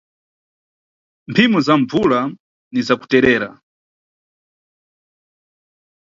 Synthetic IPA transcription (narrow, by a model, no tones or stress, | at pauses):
mpʰimɔzaɱvula | nizaku̥tɛɾɛːɾa